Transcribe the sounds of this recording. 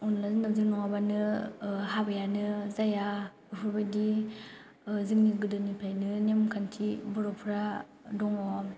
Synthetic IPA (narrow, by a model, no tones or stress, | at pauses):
ɔnlazɯnawzɯɾnɔŋabanɯhabajanɯzaja | ɯpʰɯɾbajdi | zɯŋniɡɯdɯnipʰajnɯnemkʰantʰibɔɾɔpʰɯɾa | dɔŋɔ